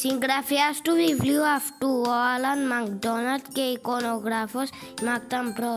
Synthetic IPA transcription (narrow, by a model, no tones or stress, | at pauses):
siŋɡɾafʰiasʈuʋibljuafʈuɔlanmãŋkd̪ɔnalt̪keikɔnoɡɾafɔs | mak̚t̪ampɾɔ